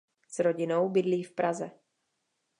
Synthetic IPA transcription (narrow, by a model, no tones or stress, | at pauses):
sɾo̞ɟɪnowbɪdliːfpɾazɛ